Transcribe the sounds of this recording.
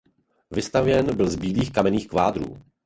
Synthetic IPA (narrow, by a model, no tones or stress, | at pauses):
vɪst̪avjɛnbɪlzbiːliːxkamɛniːxkvaːd̪ɾṵː